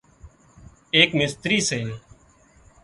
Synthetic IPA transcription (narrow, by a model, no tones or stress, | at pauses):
eːkmɪst̪ɾiːseː